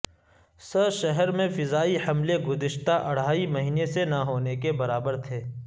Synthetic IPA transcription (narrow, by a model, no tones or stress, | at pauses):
səʃɛɦɛɾmẽfɪzaːihɐmleɡʊzɪʃt̪aʔɐɽ̤aːimɐɦiːnesenɐɦoːnekebɐɾaːbəɾt̪ʰeː